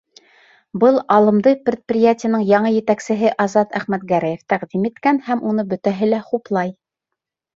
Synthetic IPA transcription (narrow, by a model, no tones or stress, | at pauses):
bɤlˠɑlˠɤ̆md̪ɤpɾʲɪt̪̚prʲɪjatʲɪjənɤɴjɑɴɤjɘ̆t̪æksɘ̆ɦɘʔɑzɑt̪æχmæt̪ɡæɾæjɘft̪æqd̪imit̪kænhæmunɤbɵ̆t̪æɦɘlæχuplˠɑj